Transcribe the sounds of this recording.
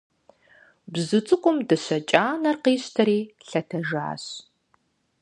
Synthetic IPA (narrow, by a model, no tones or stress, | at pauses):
bzɨt͡sʼɨkʷʼʊmdɨɕɐt͡ʃʼaːnɐrqiːɕtʰɐɾiːɬɐtʰɐʒa̰ːɕ